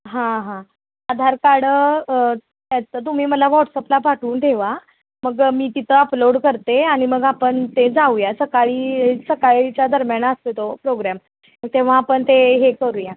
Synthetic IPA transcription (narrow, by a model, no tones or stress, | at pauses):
ɦãɦã | ad̪ʱaɾkaɽ | at̪ət̪̬um̤iːməlaʋɔʈsɔplapaʈʰuːnd̪ʰʱeʋa | məɡmiːt̪it̪ʰəəploɽkəɾt̪eaɽ̃iməɡapəɳt̪ed͡zaujasəkaɭiːsəkaɭit͡ɕjad̪ʱəɾmjanaəst̪et̪opɾoɡɾam | məɡ̚t̪eʋ̤aːpəɳt̪eɦekəɾuːja